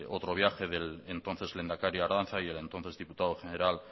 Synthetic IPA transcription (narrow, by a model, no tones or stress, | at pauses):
ot̪ɾo̞β̞jaxe̞ðe̞lent̪o̞nθe̞zle̞nd̪akaɾjioaɾðanθaie̞le̞nt̪o̞nθe̞zðiput̪aðoxeneɾal